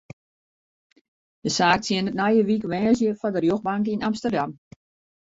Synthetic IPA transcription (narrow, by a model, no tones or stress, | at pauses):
d̥əsaːk̚tʰjɪənətnajəʋikʋɛːzjəfɔndərjoxbaŋkinamstərdam